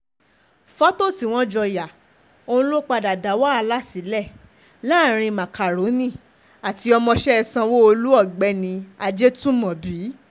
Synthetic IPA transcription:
fa˦to˦˨ti˨˧w̃ɔ̃˦d͡ʒɔ˧ja˨ | õ˦˧˦lo˦k͡pa˧da˨da˨˦wa˦a˧la˦si˨˦lɛ˦˨ | la˦˨ɾ̃ĩ˧mã˨ka˨ɾo˨˦nĩ˦˨ | a˨ti˧ɔ˧mɔ̃˧ʃɛ˦ɛ˧sã˧wo˦o˧lu˦ɔ˦˨ɡ͡bɛ˧˦nĩ˧a˧d͡ʒe˦tũ˦mɔ̃˨bi˨˦

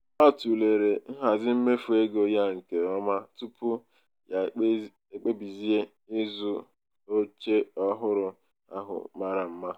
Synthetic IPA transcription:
ɔ˦tu˨le˨ɾe˨ŋ̩˦ɦa˨zɪ˦m̩˦me˦fu˨e˦ɡo˨ja˦ŋ̩˨ke˨ɔ˦ma˦tu˦pʊ˦˨ | e˨k͡pe˦bi˨zi˦e˦ | ɪ˦zu˦ | o˦t͡ʃe˦ɔ˦ɦʊ˦ɾʊ˨ | a̰˦ɦʊ̰˨ma˦ɾa˨m̩˦ma˦

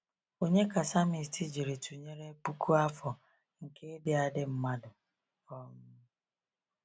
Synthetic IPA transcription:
o˦ɲe˦ka˨sa˦mi˨ti˦d͡ʒi˨ɾe˨tʰu˨ɲe˦ɾe˦pu˦kʰu˦a˦fɔ˨ | ŋ̩˨ke˦e˦dɪ˦a˨dɪ˦m̩˦ma˦dʊ˨ | ɔ˦m̩˦

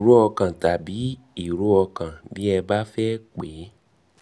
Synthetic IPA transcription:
ɾu˦ɔ˧kã˨ta˨bi˨˦ | i˦˨ɾu˦ɔ˧kã˨bi˨˦ɛ˧ba˦fɛ˦k͡pe˨˦

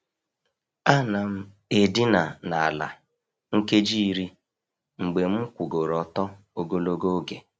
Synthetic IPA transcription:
a˦na˨m̩˦ | e˦di˦na˨na˨a˨la̰˨ | ŋ̩˦ke˦d͡ʒi˦ɾi˦ | ŋ͡m̩˨ɡ͡be˨m̩˦kʷu˨ɡo˨ɾɔ˨tɔ˦ | o˨ɡo˦lo˦ɡo˦ɡe˨

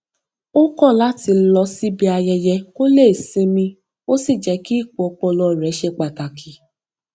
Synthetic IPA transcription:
o˦kɔ̃˦˨la˨˦ti˧lɔ˧si˦bi˧a˧jɛ˧jɛ˧ko˦le˦˨sĩ˨˧mĩ˧ | o˦si˦˨d͡ʒɛ˨˧ki˦i˦˨k͡pu˨ɔ˨˧kɔ̃˧lɔ˧˨ɾɛ˨˦ʃɛ˧k͡pa˨ta˨kʰi˨˦

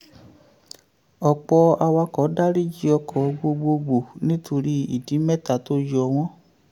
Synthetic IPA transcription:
ɔ˨k͡pɔ˧a˧wa˧kɔ˨˦da˦ɾi˦˨d͡ʒi˦ɔ˧kʰɔ˨ɡ͡bo˧ɡ͡bo˧ɡ͡bo˨nĩ˦tʰo˧ɾi˧˦i˨di˨˦mɛ˦ta˨to˦jɔ˧w̃ɔ̃˦

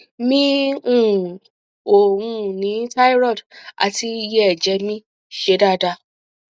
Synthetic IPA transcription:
mĩ˦ũ˦˨ | o˨wũ˦nĩ˨˦ta˦jɾɔ˦˨da̰˨ti˧˦jɛ˦ɛ˨d͡ʒɛ˨˧˦mĩ˦ | ʃe˨˦da˦˨da˧˨

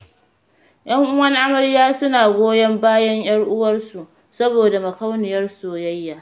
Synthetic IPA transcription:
j̰ɐ˦ŋʔʊ˦wɐ˦ŋʔa˦mɐ˨ɽjaː˦sʊ˦naː˨ɡʷoː˦jɐ˦mbaː˦jɐ˦ɲj̰ɐ˦ɽʔʊ˦wɐ˦rsu˨ʔ | sɐ˦boː˨da˨mɐ˨ka˦wnɪ˨jɐ˦rsoː˨jɐ˦jːaː˨

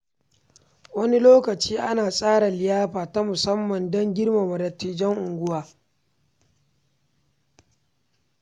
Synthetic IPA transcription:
wɐ˦ni˦loː˦kɐ˨t͡ʃiː˦ʔa˦naː˨sʼaː˦ɽa˨lɪ˨jaː˦ɸaː˨ta˦mʊ˨sɐ˦mːɐ˨ndɔ˦ŋɡʲɪ˦ɽma˨mɐ˨lɐ˨tːiː˨d͡ʒɛ˦ŋʔʊ˨ŋɡʷʊ˦waː˨

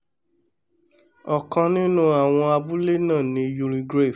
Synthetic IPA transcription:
ɔ˨kã˧nĩ˦nũ˦a˨w̃ɔ̃˧a˧bu˦le˦nãː˦˨nĩ˨˧ju˧ɾĩ˧ɡɾe˦˨

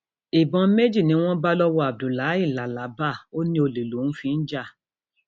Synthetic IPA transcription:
i˨bɔ̃˧˦me˦d͡ʒi˦˨nĩ˨˦w̃ɔ̃˦ba˦lɔ˦wɔ˧˦a˨b̚du˨la˨˦i˦˨la˨˦la˨˦ba˦˨o˦nĩ˦o˧li˨lu˨˦ñ̩˦fĩ˧n̩˦d͡ʒa˦˨

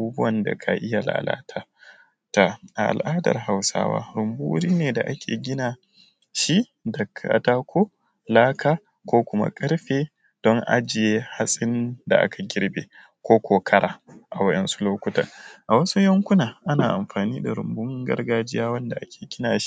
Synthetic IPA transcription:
buː˦bʊ˦wɐ˨nda̰˨kʰa̰˨ʔɪ˦ja˨la̰ː˨la̰ː˦tʰaː˦ | ta˨ʔa˨ʔa̰˨lʔaː˦dɐ̰˨rɦa˨wsa̰ː˦wa̰ː˦ɾʊ˨mbu˦ɾiː˦neː˨da̰˨ʔa˦kʲʰḛː˨ɡʲɪ˦naː˨ | ʃi˦ | dɐ˨kʰːa̰˨taː˦kʷoː˦ | laː˦kʰaː˦ | kʷoː˦kʷʊ˦ma̰˦kʼɐ˦ɾɸeː˨ | d̥ɔ˦ŋʔa̰˦d͡ʒɪ˨je˦ha˦sʼɪ˦nda̰˨ʔa̰˦kʰa˨ɡʲɪ˦ɾbḛː˨ | kʷoː˦kʰʷoː˨kʰɐ˦ɽʔaː˨ʔa˨wɐ˦ɗɛ˦nsu̥˦loː˦kʷʊ˦tɐ̰˨ʔa˨wɐ˦su˦jɐ˦ŋkʷʊ˦naː˨ʔa˦naː˨ʔa˨mɸaː˨niː˦da˨ɾʊ˨mbʊ˦ŋɡɐ̰˦rɡaː˦d͡ʒɪ˦jaː˦wɐ˦nda˨ʔa˦kʲʰe̥ː˨ɡʲɪ˦naː˨ʃi̥˦

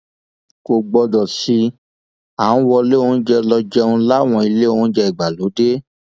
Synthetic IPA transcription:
ko˨ɡ͡bɔ˧dɔ˨si˧ | ã˨˦wɔ˧le˦õ˦d͡ʒɛ˧lɔ˧d͡ʒɛ˦ũ˧la˦˨w̃ɔ̃˧i˧le˦õ˦d͡ʒɛ˧i˨ɡ͡ba˨lo˨˦de˦

